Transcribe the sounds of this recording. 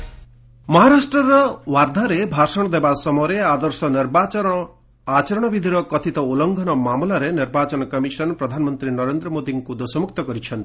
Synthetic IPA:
mɔɦaɾasʈɾɔɾɔwaɾd̪ʱaɾebʱaɾsɔɽ̃ɔd̪ebasɔmɔɾead̪ɔɾsɔniɾbat͡ʃɔɾɔ | at͡ʃɔɾɔɽ̃ɔbid̪ʱiɾɔkɔt̪ʰit̪ɔulɔŋɡʱɔnɔmamulaɾeniɾbat͡ʃɔnɔkɔmisɔnpɾɔd̪ʱanɔmɔnt̪ɾinɔɾend̪ɾɔmod̪iŋkud̪osɔmuk̚t̪ɔkɔɾit͡ʃʰɔnt̪i̥

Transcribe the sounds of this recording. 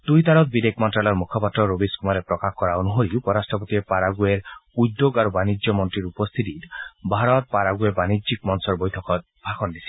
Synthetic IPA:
t̪ujt̪aɽɔt̪̚bid̪ekmɔntɾalɔɾmukʰɔpat̪ːɾɔɾobiskumaɾepɾɔkaxkɔɾaonuɦoɾiupɔɾasʈɔpot̪iepaɾaɡueɾud̪joɡaɾubanid͡ʒjɔmɔnt̪ɾiɾupɔst̪ʰit̪it̪bʱaɾɔt̪̚paɾaɡuebanid͡ʒikmɔnsɔɾbojt̪ʰɔkɔt̪ | bʱaxʰɔnd̪isʰi̥

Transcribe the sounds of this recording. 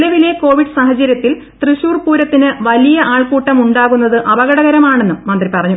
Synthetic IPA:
lɐʋile̞ko̞ːʋiɖɨsaːɦɐt͡ɕːɐɾjɐt̪ːil | t̪rɨɕuːrpuːɾɐt̪ːinɨʋɐlijɐʔaːɭkuːʈːɐmuɳɖaːɣunːɐðɨʔɐbɐɣɐɽɐɣɐɾɐmaːɳe̞nːɨmɐnd̪ripɐrɐɲːu

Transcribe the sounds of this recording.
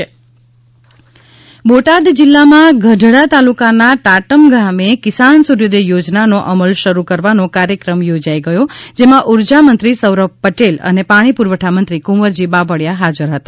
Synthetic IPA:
boʈad̪d͡ʒɪlːamãɡʱəɖʱɽat̪alukanaʈaʈəmɡamekɪsansuɾjod̪ejod͡ʒnanoʔəməlʃəɾukəɾʋanokaɾjəkɾəmjod͡ʒaiɡəjõd͡ʒemãʔuɾd͡ʒamənt̪ɾisəwɾəb̚pəʈelə̰nepaɽ̃ipuɾʋəʈʰamənt̪ɾikuməɾd͡ʒibabəɽjaɦad͡ʒəɾɦət̪ḁ

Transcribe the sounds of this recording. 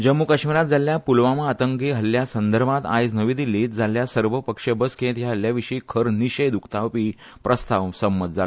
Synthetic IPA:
d͡ʑəmːukəɕmiɾat̪̚d͡zaljapulʋamaat̪əŋkeɦəljasənd̪əɾmãt̪a̰jd͡znəʋiːd̪iliːt̪̚d͡zaljasəɾʋəpəkʂebəskẽt̪ɦjaɦəljaʋiʂiːkʰəɾniɕəjd̪ukʰt̪aʋpiː | pɾəst̪aʋsəmːət̪̚d͡zal

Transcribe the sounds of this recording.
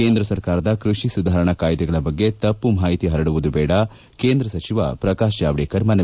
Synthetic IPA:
eːnd̪ɾɐsɐɾkaːɾɐd̪ɐkɾuʂisud̪ʱaːɾɐɳɐkaːjd̪ɛɡɐɭɐbɐɡːet̪ɐpːumaːɦit̪iɦɐɾɐɽuʋud̪ubɛːɽɐ | keːnd̪ɾɐsɐt͡ʃiʋɐ̰pɾɐkaːʃjaːʋɽeːkɐɾmɐnɐ

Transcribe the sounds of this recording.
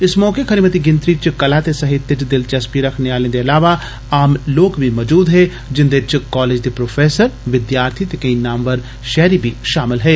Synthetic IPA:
ɪsmɔːkekʰɐɾimət̪iɡɪ̃nt̪ɾit͡ʃkɐlat̪esɐɦɪt̪jət͡ʃd̪ɪlt͡ʃɐspiɾɐkʰneaːlẽd̪eɐlaːʋa | aːmloːkbʱimɔːd͡ʒuːd̪ɦɛ | d͡ʒɪ̃nd̪et͡ʃkɔːleːd͡ʒd̪ipɾoːfʰeːsəɾʋɪd̪jaːɾt̪ʰit̪ekeĩnaːmʋəɾ | ʃɛːɾibʱiʃaːmɪlɦɛː

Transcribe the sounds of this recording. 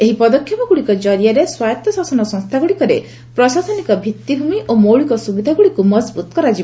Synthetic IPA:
eɦipɔd̪ɔkʰːjɔpɔɡuɽikɔd͡ʒɔɾijaɾeswajɔt̪jɔsasɔnɔsɔŋst̪ʰaɡuɽikɔɾe | pɾɔsasɔnikɔbʱit̪ːibʱumiʔomowɭikɔsubid̪ʱaɡuɽikumɔd͡ʒbut̪ɔ̥kɔɾad͡ʒib

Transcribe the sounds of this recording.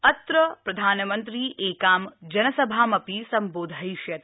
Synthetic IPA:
ɐt̪ɾəpɾɐd̪ʱaːnmənt̪ɾiʔeːkaːmd͡ʒɐnɐsɐbʱaːmɐpisɐmboːd̪ʱajʃjɐt̪

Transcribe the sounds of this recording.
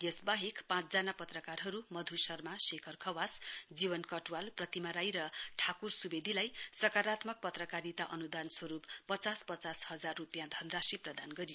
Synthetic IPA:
jʌsbaɦekpãt͡sd͡zanapʌt̪rʌkarɦʌɾumʌd̪ʱusʌrmasekʰʌrkʰʌwasd͡zibʌnkʌʈuwalprʌt̪imaɾajɾʌʈʰakursubed̪ʱilajsʌkaɾat̪mʌk̚pʌt̪rʌkaɾit̪aʔʌnud̪answʌɾupːʌt͡saspʌt͡sashʌd͡zarːupjãd̪ʱʌnd̪rasiprʌd̪anɡʌɾijo

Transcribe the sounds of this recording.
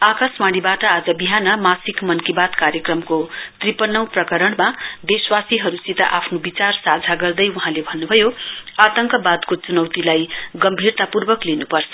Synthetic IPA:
akasmaɽ̃ibaʈʌad͡zʌbiɦanʌmasikmʌnkibad̪kaɾjekrʌmkot̪ripʌnːʌw̃prʌkʌɾʌɽmad̪eswasiɦʌɾusit̪a̰ʔapʰnobit͡sarsad͡zʱaɡʌrd̪ʌjuɦãlebʱʌnːubʱʌjoat̪ʌŋkʌbad̪kot͡sunʌwt̪ilajɡʌmbʱirt̪apurbʌklinupʌrt͡sʰʌ̥

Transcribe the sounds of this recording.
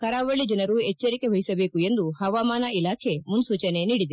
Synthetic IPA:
kɐɾaːʋɐɭid͡ʒɐnɐɾueːɐɾikebʱɐɦisɐbekuend̪uhɐʋamaːnailaːkʰemunsut͡ʃɐneniɽid̪i

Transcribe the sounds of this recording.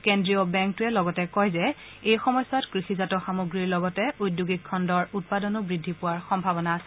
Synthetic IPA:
kendɹiɔbɛŋk̚tʊɛlɔɡɔtɛkɔjzɛ | ejxɔmɔjsːɔtkɹixizatɔxamoɡɹiɹlɔɡɔtɛujdjuɡikʰːɔndɔɹut̚padɔnʊbɹidʱipʊwaɹxɔmbʱabɔnaːsɛ

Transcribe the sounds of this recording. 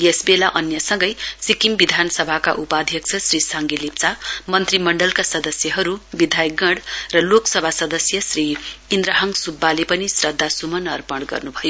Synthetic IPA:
esbelaʔʌnjʌsʌŋɡʌjsikimbid̪ʱanʌsʌbʱaka̰ʔupad̪ʱjʌk̚t͡sʰʌsrisaŋɡilip̚t͡samʌnt̪rimʌɳɖʌlkasʌd̪ʌsjʌɦʌɾubid̪ʱajɡʌɽrʌloksʌbʱasʌd̪ʌsjʌsriːnd̪ɾaɦʌŋsubːalepʌnisrʌd̪ʱːasumʌnʌrpʌɽɡʌ̰rnubʱʌjo

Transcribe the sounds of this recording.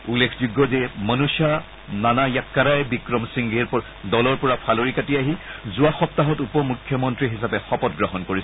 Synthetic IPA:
ulːekʰzuɡːɔzɛmanusa | nanajakːaɾajɛbikɹɔmsiŋɡiɹpɔ | dɔlɔɹpɔɹapʰaloɹikatiaɦizuaxɔp̚taɦɔtupɔmukʰːjɔmɔntɹiɦisapɛxɔpɔtɡɹɔɦɔnkoɹisɛ

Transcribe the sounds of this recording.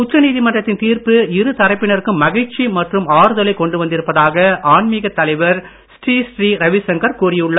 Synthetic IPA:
ʊtrɐniːðɪmɐndrɐt̪ːɪnt̪iːrpɯɪɾɯt̪ɐɾɐɪpːɪɳɐɾɯkːɯmːɐɣɐɻt͡ʃimɐʈrɯmaːɾɯðɐlɐɪkɔɳɖɯʋɐnd̪ɪɾɯpːɐðaːɣɐʔaːɳmiːɣɐt̪ːɐlɐɪʋɐɾ | sʈiːsʈriːɾɐʋɪsɐŋɡɐɾkuːrɪjɯɭːɐ

